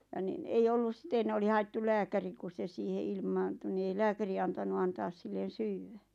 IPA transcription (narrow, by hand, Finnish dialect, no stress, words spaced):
jɑ nin ei olːus sĭten oli hɑetːul læːkæri ku se siːhe ilmɑːntu ni ei læːkæri ɑntɑnu ɑntɑːs silːen̞ syːwːæ